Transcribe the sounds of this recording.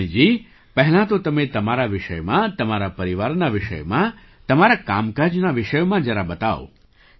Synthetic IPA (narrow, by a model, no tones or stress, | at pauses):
id͡ʒi | pəɦlãt̪ot̪əmẽt̪əmaɾaʋɪʃəjmãt̪əmaɾapəɾiʋaɾnaʋɪʃə̰jmã | t̪əmaɾakamkad͡ʒnaʋɪʃəjmãd͡ʒəɾabət̪ao̰